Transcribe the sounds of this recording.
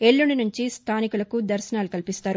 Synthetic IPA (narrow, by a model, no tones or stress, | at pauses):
e̞ɭːuɳinuɲt͡ʃist̪ʰaːnikulɐkud̪ɐɾʃɐnaːlukɐlipist̪aːɾu